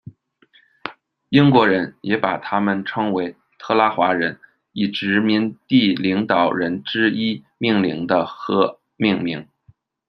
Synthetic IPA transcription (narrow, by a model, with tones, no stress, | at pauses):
i˥ŋkwɔ˧˥ɻə˧˥njɛ˧˥pa˨˩t̪ʰa˥mə˨nʈ͡ʂʰɤ˥ŋwe˧˥ɪ | t̪ʰɤ˥˧la˥xwa˧˥ɻə˧˥n | i˨˩ʈ͡ʂɻ̩˧˥mi˧˥nt̪i˥˩li˧˥ŋt̪ɑ˨˩ʊɻə˧˥nʈ͡ʂɻ̩˥i˥ | mi˥˩ŋli˧˥ŋd̪ə˧xɤ˧˥ | mi˥˧ŋmḭ˧˥ŋ